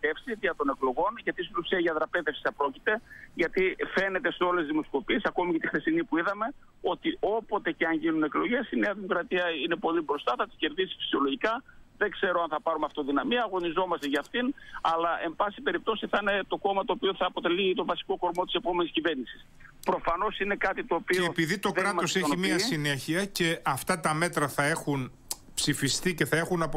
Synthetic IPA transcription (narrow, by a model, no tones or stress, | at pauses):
t̪e̞fsitʝɐt̪o̞ne̞klo̞ɣo̞nʝɐt̪isnosiɐʝɐðɾɐpeðefsi̥sɐpɾo̞cit̪e̞ʝɐt̪ife̞ne̞t̪e̞seo̞le̞zzðimo̞sko̞pie̞sɐko̞micɐt̪ixθesinipuiðɐme̞ | o̞t̪iʔo̞po̞t̪e̞ceɐɲʝinune̞klo̞ʝe̞sine̞ɐðimo̞kɾɐt̪iɐine̞po̞libɾo̞st̪ɐθɐt̪i̥sçe̞ɾðisi̥fi̥sio̞lo̞ʝikɐðe̞kse̞ɾo̞ɐnθɐpɐɾumeɐft̪oðinɐmiɐːɣo̞nizo̞mɐst̪eʝɐːft̪inɐlɐʔe̞mbɐsipe̞ɾip̚t̪o̞siθɐine̞t̪o̞ko̞mɐt̪o̞ːpio̞θɐːpo̞t̪e̞lit̪o̞vɐsi̥ko̞ko̞ɾmo̞t̪ise̞po̞me̞nisciveɾnisi̥s | pɾo̞fɐno̞sine̞kɐt̪it̪o̞ːpieːpiðit̪o̞kɾɐo̞se̞çimiɐsine̞çiɐce̞ɐft̪ɐt̪ɐme̞t̪ɾɐθɐe̞xun | psifist̪ice̞θɐe̞xunɐp